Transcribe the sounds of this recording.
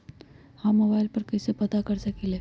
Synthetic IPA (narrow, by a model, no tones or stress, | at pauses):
hãmːoːbaːɪlpɐɾkɛːsepɐt̪akɐɾsɐkeleː